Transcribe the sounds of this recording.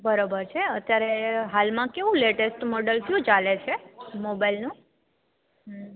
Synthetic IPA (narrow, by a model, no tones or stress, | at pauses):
bəɾobəɾt͡ʃʰeət̪jaɾeɦalmãkeʋũleʈesʈmoɖəlkjũt͡ʃalet͡ʃʰemobajlnũ | ɦ